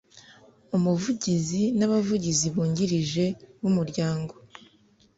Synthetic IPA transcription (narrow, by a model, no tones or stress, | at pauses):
umuvuɟizinaβavuɟiziβuːɲɟiɾiʒe̞wumuɾɟaːŋɡo̞